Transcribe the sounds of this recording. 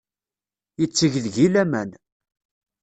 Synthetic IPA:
jət͡sːəʝðʝilæmæn

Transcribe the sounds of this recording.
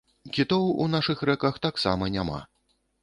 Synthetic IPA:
kʲit̪ɔwṵnaʂɨxɾɛkɐxt̪aksa̰mɐnʲama̰

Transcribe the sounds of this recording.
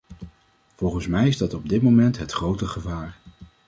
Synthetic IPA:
v̥ɔlˠχənsmɛjɪzdɑtɔb̚dɪt̚momɛntɦətχrowtəχəvaːɹ

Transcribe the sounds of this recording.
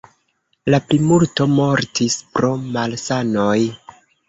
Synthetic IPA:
laplimulto̞mo̞ɾtispɾo̞malsanoj

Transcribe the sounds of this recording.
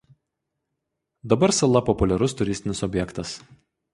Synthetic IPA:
d̪ɐbɐɾsɐlˠɐpɔpʊlʲɛɾʊst̪ʊɾʲɪsʲt̪ʲɪnʲɪsɔbʲjɛkt̪ɐs

